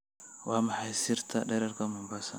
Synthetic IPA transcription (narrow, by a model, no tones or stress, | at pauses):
wamaħajsiɾt̪ʰadaɾaɾkamumbasa